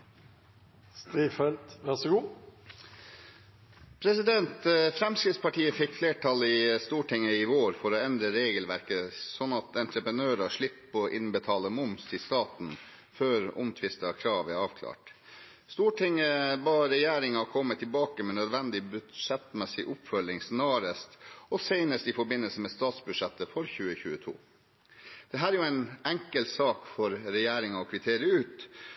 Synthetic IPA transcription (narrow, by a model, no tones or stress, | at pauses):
st̪iːfɛlt̪ʋæʁsɔɡuː | pʰɾɛsɪd̪ɛnt̪fɾɛmskɾɪt̪spɑʈʰiːəfɪkfleːʈʰɑlɪst̪uːʈʰɪŋːəɪʋoːɾfɔɾɔɛnd̪ɾəɾeːɡəlʋæɾkəsɔnːɑt̪ɛnt̪ɾəpɾənøːɾɑʂɭɪpːɔʔɪnbət̪ʰɑːləmʊmsɪst̪ɑːt̪n̩ | føːɾɔ̰mt̪ʰʋɪst̪ɑkʰɾɑːʋæɾɑːʋkʰlɑ̰ːʈ | st̪uːʈʰɪŋəbɑːɾɛjeːɾɪŋɑkʰɔmːət̪ʰːɪlbɑːkəmɛnœd̪ʋɛnd̪ɪbʉʂɛt̪mɛsɪʔʊpfœlɪŋsnøːɾəst̪ɔseɪnəst̪ɪfɔɾbɪnːəlsəmɛst̪ɑːt̪sbʉd̪ʂɛt̪ːəfɔɾçʉːəçʉːət̪ʰṵː | d̪̥ɛɦæːɾjʊæɪnæŋkəlt̪sɑːkfɔɾɾɛjeːɾɪŋɑɔkʰʋɪt̪ʰeːɾɪəʉːt̪